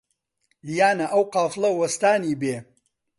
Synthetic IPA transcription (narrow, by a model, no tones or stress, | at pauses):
jaːnɐʔɐwqaːflˠɐwɐst̪aːniːbeː